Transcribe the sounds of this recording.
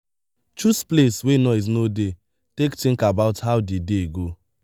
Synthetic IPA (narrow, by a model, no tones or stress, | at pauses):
t͡ʃuspleswenɔiz̬node | tektiŋ̩kabaʊtɦaʊdideɡo